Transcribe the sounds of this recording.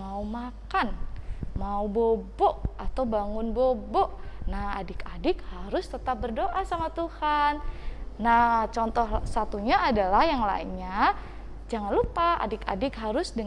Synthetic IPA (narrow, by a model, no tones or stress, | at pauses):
aumakanmaubobɔʔat̪awbaŋʊnbobɔʔnahadɪkadɪk̚haɾʊst̪ət̪ap̚bərdoʔasamat̪uhanːat͡ʃɔnt̪ɔhsat̪uɲaːdalahjaŋla̰inɲa | d͡ʒaŋanlupaa̰dɪka̰dɪkɦaɾʊsdə